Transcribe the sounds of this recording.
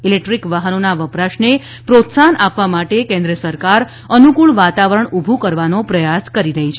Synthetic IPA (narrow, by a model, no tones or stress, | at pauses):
ilek̚ʈɾikʋaɦənonaʋəpɾaʃne | pɾot̪sanʔapʋamaʈekɛ̃nd̪ɾəsəɾkaɾ | ənukuɭʋat̪aʋəɾəɳubʱukəɾʋanopɾəjaskəɾiɾəɦit͡ʃʰe